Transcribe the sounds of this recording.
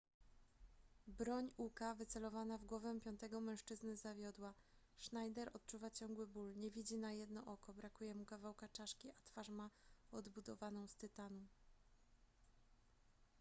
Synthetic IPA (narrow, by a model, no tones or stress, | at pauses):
bɾɔɲukavɘt̪sɛlɔvanavɡwɔvɛpʲjɔnt̪ɛɡɔmɛ̃w̃ʂt͡ʂɘznɘzavʲjɔd̪wa | ʂnajd̪ɛɾɔt̪̚t͡ʂuvat͡ɕɔŋɡwɘbulɲɛvʲid͡ʑinajɛd̪nɔʔɔkɔbɾakujɛmukavawkat͡ʂaʂkʲiʔat̪faʂmaɔd̪bud̪ɔvanɔ̃w̃st̪ɘt̪anu